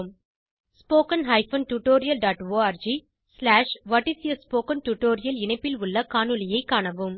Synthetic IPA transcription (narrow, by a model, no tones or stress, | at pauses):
m | spoːkɐnɦɐɪfɐnʈuʈːoːɾɪjɐlɖaːʈoːaːɾd͡ʒi | slaːʂʋɐʈːɪsɪjɐspoːkɐnʈuʈːoːɾɪjɐlɪnɐɪpːɪlʊɭːɐkaːnɯlɐjɐɪkːaːɳɐʋɯm